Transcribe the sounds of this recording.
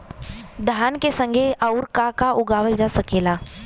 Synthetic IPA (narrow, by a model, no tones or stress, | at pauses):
d̪ʱaːnkesə̃ŋɡʱeʔaʊɾkakaʔʊɡaːʋəld͡ʒasəkeːlaː